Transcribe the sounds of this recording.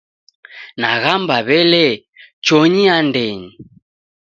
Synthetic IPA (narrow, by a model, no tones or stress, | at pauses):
naɣambaβɛlɛ | t͡ʃɔɲiandɛɲi